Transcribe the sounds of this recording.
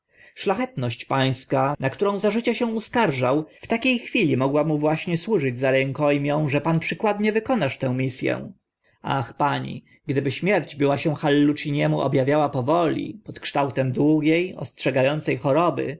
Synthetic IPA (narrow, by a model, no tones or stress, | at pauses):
ʂlaxɛt̪nɔɕt͡ɕpaj̃skanakt̪uɾɔ̃w̃zaʐɘt͡ɕɛɕɛ̃uskaɾʐawft̪akʲejxfʲilʲimɔɡwamuvwaɕɲɛswuʐɘd͡ʑzaɾɛŋkɔjmʲjɔ̃w̃ʐɛpanpʂɘkwad̪ɲɛvɘkɔnaʂt̪ɛ̃w̃mʲisʲjɛ̰ | a̰xpaɲḭ | ɡd̪ɘbɘɕmʲjɛɾd͡ʑbɘwaɕɛw̃xalːut͡ʂiɲɛmuʔɔ̰bjavʲjawapɔvɔlʲḭpɔt̪kʂt̪awt̪ɛmd̪wuɡʲjejɔ̰stʂɛɡajɔnt̪sɛjxɔɾɔbɘ̰